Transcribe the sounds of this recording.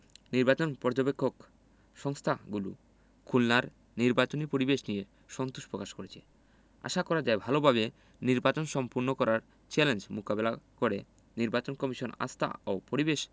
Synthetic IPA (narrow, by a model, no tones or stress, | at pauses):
niɾbat͡ɕonpɔɾd͡ʑobekʰːok | ʃɔŋst̪ʰaɡulṵ | kʰulnaɾ | niɾbat͡ɕonipoɾibeʃnije | ʃɔnt̪uʃpɾokaʃkoɾet͡ɕʰe | a̰ʃakɔɾad͡ʑaebʱalobʱaβe | niɾbat͡ɕonʃɔmpuɾnokɔɾaɾ | t͡ɕɛlend͡ʑmukabelakoɾe | niɾbat͡ɕonkɔmiʃona̰st̪ʰa̰opoɾibeʃ